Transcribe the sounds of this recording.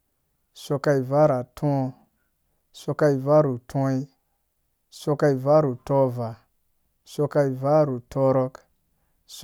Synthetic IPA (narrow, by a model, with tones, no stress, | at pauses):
so˧ka˧i˨va˦ɾa˨tʰũ˦˧ | so˧ka˧i˨va˦ɾu˨tʰɔ̃˦i˦ | so˧ka˧i˨va˦ɾu˨to˦va˨ | so˧ka˧i˨va˦ɾu˨to˦ɾɔ˦k | s